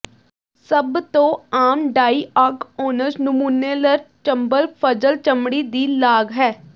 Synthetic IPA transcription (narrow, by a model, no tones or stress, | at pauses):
səbt̪õːaːmɖaːiːaːkoːnəɾnʊmuːnːeːləɾt͡ʃəmbəlpʰəd͡ʒəlt͡ʃəmɽiːd̪iːlaːɡɦɛː